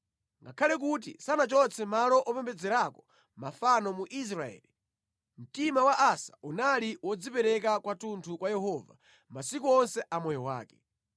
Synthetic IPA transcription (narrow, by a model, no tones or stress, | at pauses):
ŋɡa̰kʰalɛk̬ut̬ḭsanat͡ʃɔt͡sɛmalɔʔɔpɛmbɛd͡zɛɾakɔ̥ | mafanɔmuʔis̬ɾaɛ̰ːli | m̩timawaʔasḁunaliwɔd͡zipɛɾɛk̬akwatuntʰukwajɛɦɔːva | masik̬uɔnsɛʔamɔjɔwa̰ːkɛ